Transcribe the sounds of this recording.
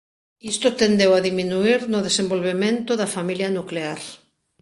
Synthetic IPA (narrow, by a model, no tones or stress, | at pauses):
ist̪ot̪end̪ewaðiminuiɾnʊðesẽmbolβemẽnt̪ʊðafamiljɐnukleaɾ